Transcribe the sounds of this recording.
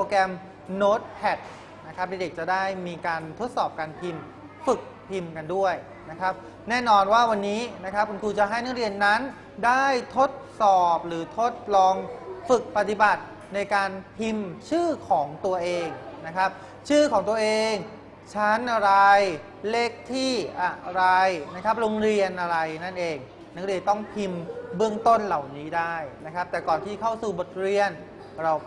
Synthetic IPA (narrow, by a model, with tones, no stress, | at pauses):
oː˧kɛː˧m | noː˦˥t̪̚pʰɛ˨˩t̪̚ | na˦˥kʰa˦˥p̚deː˦˥de˨˩k̚t͡ɕa˨˩daː˥˩jmiː˧kaː˧nt̪ʰo˦˥t̪̚sɔː˨˩p̚kaː˧npʰi˧m | fɯ˨˩k̚pʰi˧mka˧ndu˥˩əj | na˦˥kʰɾa˦˥p̚ | nɛː˥˩nɔː˧nwaː˥˩wa˧nːiː˦˥na˦˥kʰa˦˥p̚kʰu˧nt̪ʰuː˧t͡ɕa˨˩ʔɦa˥˩jna˦˥ɾi˧ənːa˦˥n | daː˥˩jt̪ʰo˦˥t̪̚sɔː˨˩p̚ɾɯː˩˦t̪ʰo˦˥t̪̚lɔː˧ŋfɯ˨˩k̚pa˨˧˩t̪i˨˩ba˨˩t̪̚ | na˧jkaː˧npʰi˧mt͡ɕʰɯː˥˩kʰɔː˩˦ŋt̪u˧ɐʔeː˧ŋna˦˥kʰɾa˦˥p̚ | t͡ɕʰɯː˥˩kʰɔː˩˦ŋt̪u˧ɐʔeː˧ŋ | t͡ɕʰa˦˥nʔa˧ɾa˧j | le˦˥˩k̚t̪ʰiː˥˩ʔa˨˧˩ɾa˧jna˦˥kʰa˦˥p̚ɾo˧ŋɾi˧ənʔa˧ɾa˧jna˥˩nʔeː˧ŋ | na˦˥kɾi˧˩ənt̪ɔ˥˩ŋpʰi˧mbɯ˥˩əŋt̪o˥˩nla˨˩wniː˦˥daː˥˩jna˦˥kʰa˦˥p̚t̪ɛː˨˩kɔː˨˩nt̪ʰiː˥˩kʰa˥˩wsuː˨˩bo˨˩t̪̚ɾi˧ən | ɾa˧w